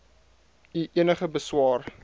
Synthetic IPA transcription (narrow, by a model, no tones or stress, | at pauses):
iʔiənəχəbəswɑːr